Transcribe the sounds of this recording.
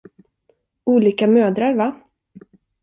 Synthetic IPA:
uːliːkamøːd̪ɾaɾva

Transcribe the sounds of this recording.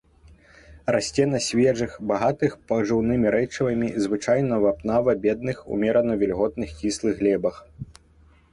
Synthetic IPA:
rasʲt͡sʲɛnɐsʲvʲɛʐɨxbaɣat̪ɨxpɐʐɨwnɨmʲiɾɛt͡ʂɐvɐmʲizvɨt͡ʂajnɐvapnavɐbʲɛd̪̚nɨxṵmʲɛɾɐnɐvʲɛlʲɣɔt̪̚nɨxt͡sʲislˠɨɣːlʲɛbɐx

